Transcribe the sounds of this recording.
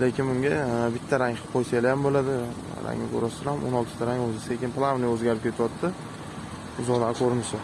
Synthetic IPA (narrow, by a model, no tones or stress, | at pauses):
lekʲɪnʊŋɡʲabɪt̪ʰːaɾaŋqʰojsajlajambolad̪ɪ | ɾa̰ŋɪɡo̰ɾɒsɪɾhamʔo̰nɒlˠt̪ʰɪ̥t̪ʰaɾaŋɵzɪsekʲɪnplˠavnɪjɵzɡʲaɾɪp̚kʲʰe̞t̪ʰɪwɒt̪ʰːɪ | ʊzɒlakʰoɾɪnɪʃɪ